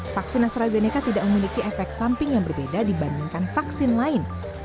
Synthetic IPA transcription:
faksɪnast̪ɾazenikat̪idaʔməmilikiɛfɛk̚t̪sampɪŋjaŋbərbedadibandɪŋkanfaksɪnlaɪn

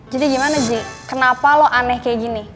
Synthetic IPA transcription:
d͡ʒadiɡimanad͡ʒikənapalɔʔanɛhkaɡini

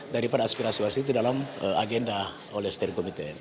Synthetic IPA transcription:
daɾipadaːspiɾasiarsit̪idalaməaɡɛnda | olɛhst̪ɛrkomit̪ɛ

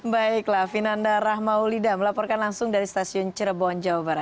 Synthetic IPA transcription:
baɪklafinandaɾaɦmaulidaməlapɔrkanlaŋsʊŋdaɾist̪asiʊnt͡ʃəɾəbɔnd͡ʒawabaɾat̪̚

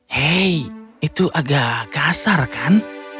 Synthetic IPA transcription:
heiit̪uʔaɡaɡasarkan

